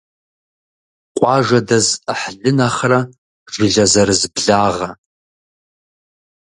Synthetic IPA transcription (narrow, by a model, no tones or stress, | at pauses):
qʷʼɑʐadazaħɮɨnaχra | ʒiɮazarɨzbɮaːʁa